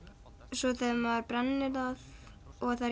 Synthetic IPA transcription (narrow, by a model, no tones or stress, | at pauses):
sɔθɛmaɾpɾɛnːɪɾav | ɔɣθa